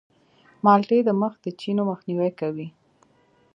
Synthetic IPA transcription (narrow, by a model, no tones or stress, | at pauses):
mɑlʈed̪əməxd̪ət͡ʃinoməxniwɛjkawi